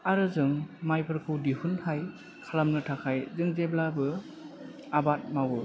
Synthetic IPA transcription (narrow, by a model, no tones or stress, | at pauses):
aɾɯzɯŋmajpʰɯɾkʰɯwdihunhaj | kʰalamnɯtʰakʰajzɯŋzeblabɯ | abat̚mawɯ